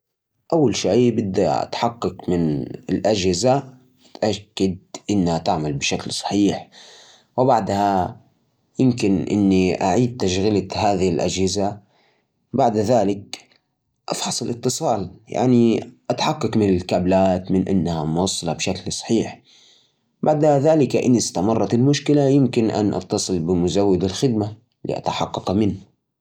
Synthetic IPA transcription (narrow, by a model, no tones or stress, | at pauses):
ʔawːalʃajbɪd̪ːa̰ʔa̰t̪ħɑqːɑkmɪnɪlʔad͡ʒhɪza | at̪ʔakːad̪̚ʔɪnːhat̪aʕmalbɪʃaklsˤɑ̥ħiːħ | wɪbaʕd̪ha | jɪmkɪnʔɪ̰nːiʔaʕiːd̪̚t̪aʃɣɪlahaːðɪhɪlʔa̰d͡ʒhɪza | baʕd̪ðaːlɪk̚ | ʔɑfħɑsˤɪlʔɪt̪ːɨsˤɑːlja̰ʕniʔat̪ħɑqːɑkmɪnɪlkablaːt̪mɪnʔa̰nːahamʊwɑsˤːɑlɑbʃaklsˤɑ̥ħiːħ | baʕd̪haðaːlɪkaʔɪnːist̪amɑrˤːɑt̪ɪlmʊʃkɪlajɪmkɪnʔa̰nʔɑ̰t̪ːɑsˤɨlbɪmʊzawːɪd̪ɪlxɪd̪ma | lḭʔa̰t̪ḁħɑqːɑqmɪnː